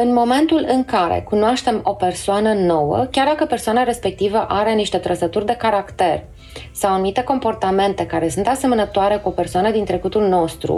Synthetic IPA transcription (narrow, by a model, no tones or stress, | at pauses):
ɨnmo̞me̞nt̪ulɨŋkaɾḛkunoaʃt̪e̞mo̞pe̞rsoanəno̞wə̰kʲard̪akəpersoanaɾe̞spe̞k̚t̪ivəʔaɾe̞niʃt̪e̞t̪ɾəsət̪urʲd̪e̞kaɾakt̪e̞r | sawanumit̪e̞ko̞mpo̞rt̪ame̞nt̪e̞kaɾe̞sunt̪ase̞mənət̪oaɾe̞kuo̞pe̞rsoanəd̪int̪ɾe̞kut̪ulno̞st̪ɾṵ